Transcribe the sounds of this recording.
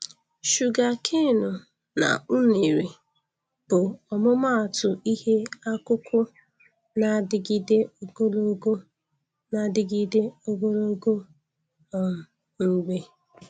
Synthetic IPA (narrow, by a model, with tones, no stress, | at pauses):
ʃu˨ɡa˨kʰe˦˨nʊ˨ | na̰˨ʊ˦ne˨ɾi˨ | b̥ʊ˨ɔ˨mʊ˦ma˦a˨tʊ˨ʔi˦he˦a˦kʊ˦kʰʷʊ˦ | na˨dɪ˨ɡi˦de˦o˦ɡo˦lo˦ɡo˦ | na˨dɪ˨ɡi˦de˦o˦ɡo˦lo˦ɡo˦ | ɔ˨m̩˨ | ŋ̩˦ɡ͡be˦